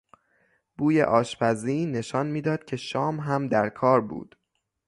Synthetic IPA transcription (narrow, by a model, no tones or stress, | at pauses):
b̥uːjḛʔɒːʃpʰæziːne̞ʃɒnmiːd̪ɒːd̪̥̚cʰe̞ʃɒːmɦæmd̪æɾkʰɒːɾbṵːd̪̥